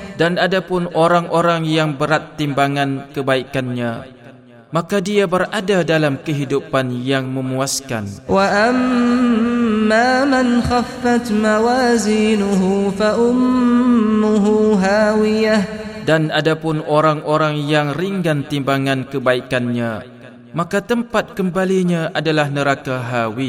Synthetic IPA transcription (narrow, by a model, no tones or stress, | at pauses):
danadapʊnoɾaŋʔoɾaŋjaŋbəɾat̪ːimbaŋãnkəbaikanɲã | makadiabəradadalamkəɦidupanjaŋmə̃muaska̰nwaʔam | aːmanxafːat̪mawaːziːnʊɦufaʔʊmː | ʊɦuɦaːwɪjadanadapʊnoɾaŋʔoɾaŋjaŋriŋɡant̪imbaŋãnkəbaikanɲã | makat̪əmpat̪̚kəmbaliɲãʔadalahnəɾakaɦawi